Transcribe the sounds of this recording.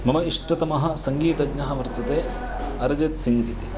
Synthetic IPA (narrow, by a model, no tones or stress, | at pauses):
mɐmɐiʂʈɐt̪ɐmɐɦɐ̆sɐŋɡiːt̪ɐɡɲɐɦɐʋɐɾt̪ɐt̪eː | ɐɾɐd͡ʒet̪siŋɡit̪i